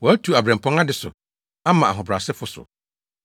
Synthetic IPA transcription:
wɔ˨æ˦tʰu˨a˨bɾɛ̃˨mpʰɔ̃˦ŋa˦dɪ˨sʊ̰˨ | a˦mã˨a˨ɦʊ̃˨bɾa˨sɪ˦fʊ˦sʊ̰˨

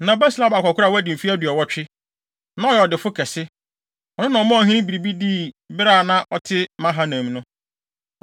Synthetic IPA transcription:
nã˨bɛ˦sla˦ba˨kʷa˨kʰʷʊ˦a˨wɔ˦æ˦dɪ̃˨m̩˨fi˦æ˦dɥɔ˨wɔ˦t͡ɕᶣɪ˦ | nã˦ɔ˦jɛ˨ɔ˨dɪ˨fʊ˦kʰɛ˨sɪ˦ | ɔ˨nʊ̃˦nã˨ɔ˨mã˦ɔ˨ɦĩ˦nĩ˦bi˨ɾi˨bi˦diː˦˨bɪ˦ɾaː˦˨nã˦ʔɔ˦tʰɪ˦mã˦ɦa˦nã˨m˨˦nʊ̃˦

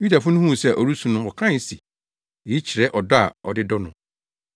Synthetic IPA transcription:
ju˦da˨fʊ˦nʊ̃˦hũ˦˨sɛ˦˨ʔɔ˨ɾu˦sũ˨nʊ̃˦wɔ˨kʰã˦˨si˨ | ɛ˨i˦t͡ɕʰɪ˨ɾɛ˦ʔɔ˨dɔ˦a˨ɔ˨dɪ˦dɔ˦nʊ̃˨

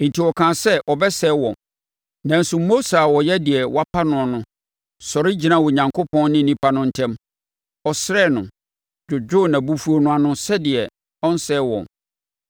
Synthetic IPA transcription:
n̩˨tʰi˨wɔ˨kʰã˨sɛ˦ʔɔ˨bɛ˦sɛ˦wɔ̃˨m | nã˨n̩˦sʊ˨mːo˦sa˨wɔ˨jɛ˦dɪ˨ɛ˨wa˦pʰa˦nʊ̃˨a˨nʊ̃˦ | sɔ˨ɾɪ˦d͡ʑi˨nã˦˨wɔ˨ɲã˨ŋkʰo˦pʰɔ̃˦nnɪ̃˦nĩ˦pʰa˦nʊ̃˦n̩˨tʰɛ̃˦m | ɔ˨sɪ˦ɾɛ˦˨nʊ̃˨ | d͡ʑʊ˨d͡ʑᶣʊ˦˨nã˨bu˦fu˦o˦nʊ̃˦a˨nʊ̃˦sɛ˦dɪ˨ɛ˨ | ɔ˦n˦sɛ˦wɔ̰̃˨m

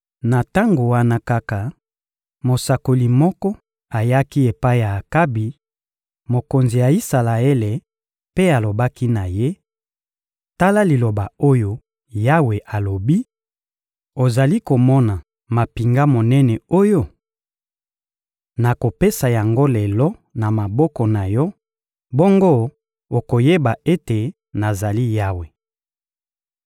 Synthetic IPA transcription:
na˨ta˦ŋɡo˨wa˦na˦ka˦ka˨ | mo˨sa˨ko˨li˨mɔ˦kɔ˦ | a˨ja˦ki˦e˨pa˦i˦jaː˨ka˦bi˨ | mo˨ko˨nzi˨ja˨i˦sa˨la˨e˦le˨ | pe˦a˨lo˨ba˦ki˦na˨je˦ | ta˦la˦li˨lo˨ba˨o˦jo˦ | ja˦we˨ʔa˨lo˨bi˦ | o˨za˨li˦ko˨mɔ˦na˨ | ma˨pi˨ŋɡa˦mo˨nɛ˦nɛ˨o˦jo˦ | na˨ko˨pe˦sa˨ja˨ŋɡo˦lɛ˨lɔ˦na˨ma˨bɔ˦kɔ˨na˨jɔ˦ | bo˦ŋɡo˦ | o˨ko˨je˦ba˨e˦te˨ | na˨za˨li˦ja˦we˨

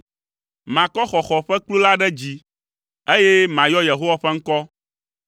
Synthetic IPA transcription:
mã˨kɔ˦xɔ˨xɔ˨ɸɛ˦k͡plu˦la˦ɖɛ˦d͡ʑi˦ | e˦je˦mã˨jɔ˦je˨ɦo˦wa˦ɸɛ˦ŋ̩˦kɔ˦

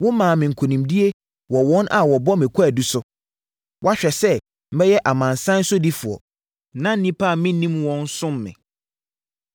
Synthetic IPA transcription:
wʊ̃˦mãː˨mɪ̃˨ŋ̩˨kʰo˨nĩ˨mdi˦e˦ | wɔ˨wɔ̃˦na˨wɔ˨bɔ˦mɪ̃˨kʰu˦æ˨du˦sʊ˦ | wɔ˦a˦ɕᶣɛ˨sɛ˦ | m̩˦bɛ˦jɛ˦ʔa˨mã˨nsã˦n̩˦sʊ˦di˦fʊ˨ɔ̰˨ | nã˦n̩˦nĩ˦pʰa˦˨mɪ̃˦nĩ˦mwɔ̃˦n˦sʊ̃˦mːɪ̰̃˨

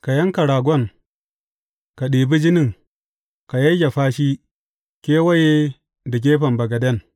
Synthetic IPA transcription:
ka˨jɐ˦ŋka˨ɾaː˨ɡʷɔ˦ŋ | ka˨ɗiː˨bi˦d͡ʒi˦nɪ˦˨ŋ | ka˨jɐ˦ɡʲa˨ɸaː˦ʃiː˦ | kʲeː˦wɐ˦je˦ | da˨k̬ʲeː˦ɸɐ˨mbɐ˨ɡa˨dɐ˦˨n

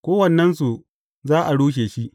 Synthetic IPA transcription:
kʷoː˦wɐ˨nːɐ˦nsu˨ | zaː˦ʔa˨ɽuː˦ʃ̬eː˨ʃi˦ʔ

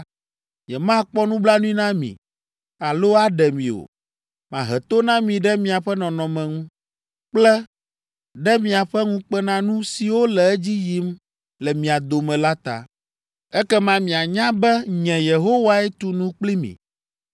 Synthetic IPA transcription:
jɛ˨mã˦k͡pɔ˦nũ˦bla˦nũ˦i˦nã˦mḭ̃˨ | a˨lo˦a˨ɖɛ˨mĩ˨o̰˨ | mã̰˨ɦɛ˨t̪o˦nã˦mĩ˨ɖɛ˦mĩ˨a˨ɸɛ˦nɔ̃˨nɔ̃˨mɛ̃˨ŋũ˦ | k͡plɛ˦ | ɖɛ˦mĩ˨a˨ɸɛ˦ŋũ˦k͡pɛ˦nã˦nũ˦si˨wo˦lɛ˨ɛ˦d͡ʑi˦ji˦m | lɛ˨mĩ˨a˨d̪o˨mɛ̃˨la˦t̪a̰˨ | ɛ˦kɛ˦mã˦mĩ˨a˨ɲã˦bɛ˦ɲɛ̃˨je˨ɦo˦wa˦ɛ˦t̪u˨nũ˦k͡pli˦mḭ̃˨

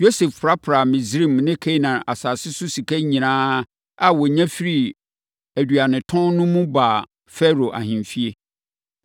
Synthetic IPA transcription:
jo˦se˨ffɾa˦pʰɾa˨mɪ̃˨zɾĩ˦˨mnɪ̃˦kʰe˦nã˨ʔa˨saː˨sɪ˦sʊ˦si˨kʰæ˦ɲĩ˨nãː˦ | a˨wɔ˨ɲæ̃˦fi˦ɾi˨ | æ˨dɥa˨nɪ̃˨tʰɔ̃˦nnʊ̃˦mũ˦ba˨ | fɛ˦ɾo˨ʔa̰˨hɪ̃˨nfi˦e˦

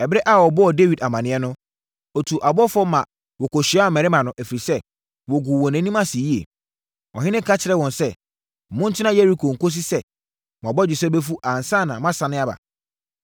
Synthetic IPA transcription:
ɛ˨bɾɛ˦ʔa˦˨wɔ˨bɔ˦ɔ˨de˦wi˨da˨mã˨nɪ̃˦ɛ˦nʊ̃˦ | o˨tʰu˨ʔa˨bɔ˦fɔ˦mã˨ | wɔ˨kɔ˨ɕi˨˦a˦˨mɛ̃˨ɾɪ˦mã˨nʊ̃˨ʔæ˨fi˨i˨sɛ˦ | wɔ˨ɡu˨wɔ̃˨nɛ̃˨˦nĩ˦mã˦si˨ji˦ḛ˨ | ɔ̰˨ɦɪ̃˦nɪ̃˦kʰa˦t͡ɕʰɪ˨ɾɛ˦˨wɔ̃˨nsɛ˦˨ | mʊ̃˦n̩˦tʰɪ˦nã˦jɛ˦ɾi˦kʰo˨ŋ̩˨ko˦s̬i˦sɛ˦ | m˨bɔ˦d͡ʑɪ˨sɛ˦bɛ˦fu˦ʔa˨n̩˨sã˦˨nã˨mã˦sã˨nɪ̃˦a˦ba̰˨

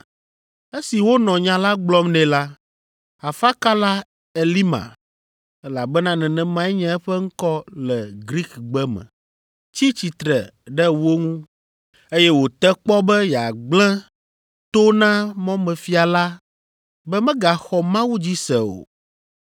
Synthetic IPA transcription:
e˦si˨wo˦nɔ̃˨ɲã˦la˦ɡ͡blɔ˦mnɛ̃˨la˦ | a˨fa˦ka˦la˦ | e˨li˦mã̰˨ | ɛ˦la˨bɛ˦nã˦nɛ̃˨nɛ̃˦mã˦ɛ˦ɲɛ̃˦ɛ˦ɸɛ˦ŋ̩˦kɔ˦lɛ˨ɡɾi˦kɡ͡bɛ˦mɛ̰̃˨ | t͡ɕi˦t͡ɕi˨t̪ɾɛ˨ɖɛ˦wo˦ŋũ˦ | e˦jɛ˦wo˨t̪ɛ˦k͡pɔ˦bɛ˦jɛ˨a˨ɡ͡blɛ̃˦ | t̪o˦nã˦mɔ̃˦mɛ̃˨fi˦a˨la˦ | bɛ˦mɛ̃˦ɡa˨xɔ˨mã˦wu˦d͡ʑi˦sɛ˨o̰˨

